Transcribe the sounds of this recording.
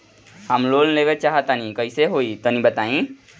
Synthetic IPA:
həmloːlleːʋet͡ʃaːɦət̪anikəiseɦoːit̪onĩbət̪aːĩ

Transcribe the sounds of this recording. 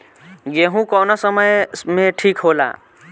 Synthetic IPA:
ɡeɦũkɔːnosəməjmẽʈʰiːkɦola̰

